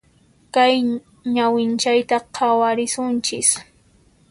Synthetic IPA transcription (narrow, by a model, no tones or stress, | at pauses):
kaj | ɲawɪnt͡ʃajt̪aqʰawaɾɪsʊnt͡ʃɪs